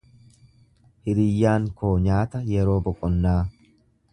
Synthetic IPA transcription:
hɪɾɪjːaːŋkʰo̞ːɲaːt̪ɐjɛɾo̞ːbɔkʼɔnːaː

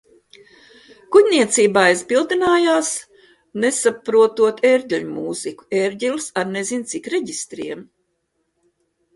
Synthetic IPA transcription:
kuɟʲnʲiɛt̪siːbaːizbilˠd̪inaːjaːs | nesapɾuɔt̪uɔt̪ʰeɾɟʲiʎʲumuːziku̥eɾɟʲilsaɾnezint̪sikɾeɟist̪ɾiɛm

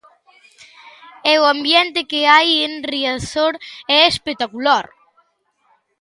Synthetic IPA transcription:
ɛwambjɛnt̪ɪkeajenriaθoɾɛespek̚t̪akulaɾ

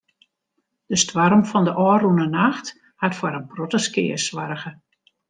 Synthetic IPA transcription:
d̥əstwaɾəmfɔndəʔɔːrunənaxt | hatfwaɾənprotəskɪ̰ːəswarɣə

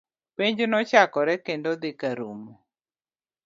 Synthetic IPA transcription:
peɲd͡ʒʊnɔt͡ʃakɔɾɛkendod̪ɪkaɾumo

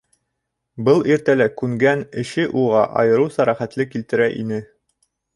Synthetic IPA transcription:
bɤlˠiɾt̪ælækʉŋɡænɘ̆ɕɘʔuʁɑʔɑ̰jɤ̆ɾusɑɾæχæt̪lɘkilt̪ɘ̆ɾæʔḭnɘ

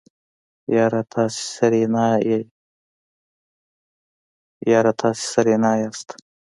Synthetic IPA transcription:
jɑːɾat̪ʰɑːse̥sɐɾenaje | jɑːɾat̪ʰɑːse̥sɐɾenaːjaːst̪

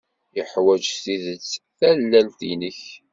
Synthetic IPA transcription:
ɪħwæd͡ʒsiðət͡sːθælːælt̪inəç

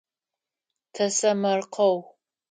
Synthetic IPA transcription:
tʰɐsɐmɐrqʰɐw

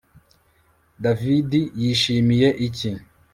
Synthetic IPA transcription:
davidijiːʃiːmije̞ʔici

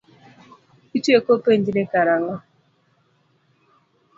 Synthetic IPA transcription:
it͡ʃuekopen̩dinekaɾaŋɔ

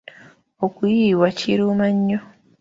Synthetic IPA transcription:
okujiːwaciɾumaɲːo

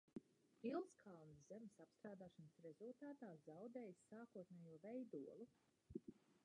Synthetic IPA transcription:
pilˠnskʰalnzzemɪsapst̪ɾaːd̪aːʃɔnəsɾezulˠt̪aːt̪aːzawd̪eːjsːaːkuɔt̪nɛːjuɔvɛjd̪uɔlˠu

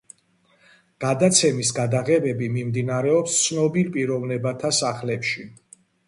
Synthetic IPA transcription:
ɡ̥ad̪at̪sʰɛmisɡad̪aʁɛbɛbimimd̪inaɾɛɔpst̪sʰnɔbilpʼiɾɔvnɛbat̪ʰasaχlɛpʃi

